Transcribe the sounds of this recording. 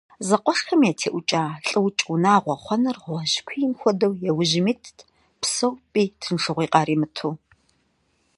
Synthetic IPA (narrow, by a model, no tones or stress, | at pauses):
zɐqʷʼɔʂxɐmjaːtʰḛːʔʷʊt͡ʃʼaːɬʼɨwt͡ʃʼʊnaːʁʷɔχʷɔnɨrʁʷɔʒkʷʰijɪmxʷɔdɐwjɛwʊʒɪmitʰ | psɐwpʼiːtʰɨnʂɨʁʷiːqʼɑːɾiːmɨtʰuː